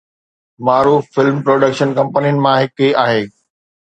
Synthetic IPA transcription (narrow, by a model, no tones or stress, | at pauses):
maːɾuːffɪlmpɾoːɖəkʃənkɐ̃mpənijənɪ̆mãɦɪkiaːɦeː